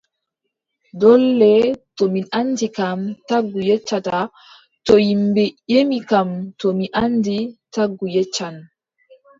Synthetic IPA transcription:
dɔlːɛtɔminandikamtaɡːujɛt͡ʃːata | tɔjimbɛjemikamtɔmiʔanditaɡːujɛt͡ʃːan

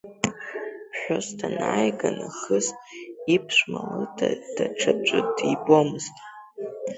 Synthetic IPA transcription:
pʰħʷᶣostʰanajɡanaχəstʼipʰʃʷmalɨdʰad̥aʈ͡ʂʰab̚d͡ʒʷʼɨdibomɨztʼ

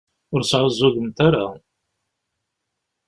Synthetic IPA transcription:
ʊɾsʕəzːʊʝəmt̪aɾa

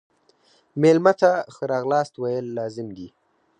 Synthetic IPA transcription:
melmat̪axəɾɑɣlɑːst̪wajəlːɑzɪmd̪i

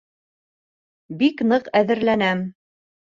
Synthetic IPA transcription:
biknɤqæðɘ̆ɾlænæm

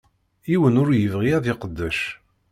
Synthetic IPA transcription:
iwənʊɾjəvʁiæðɪqəd̪ːæʃ

